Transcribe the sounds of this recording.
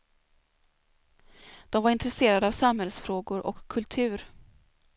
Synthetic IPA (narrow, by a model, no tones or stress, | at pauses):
d̪̥ɔmvaɾɪnt̪ɾɛseːɾad̪əaːvsamhɛlsfɾoːɡʊɾʔɔ̰kʰːɵlt̪ʰʉ̟ːɾ